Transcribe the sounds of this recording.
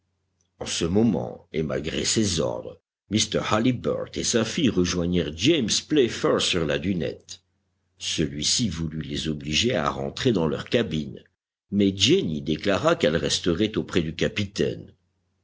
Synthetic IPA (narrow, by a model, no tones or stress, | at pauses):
ɑ̃səmɔmɑ̰̃ema̰lɡʁḛsezɔ̰ʁd̪ʁ | mist̪ɛʁhalibœ̰ʁt̪esafijʁəʒwaɲiʁd͡ʒemsplɛfɛʁsyʁlad̪ynɛ̰t̪ | səlɥisivulylezɔbliʒea̰ʁɑ̰̃t̪χed̪ɑ̃lœ̰ʁkabin | mɛd͡ʒenid̪eklaʁakɛlʁɛst̪əʁɛt̪opχɛd̪ykapit̪ɛ̰n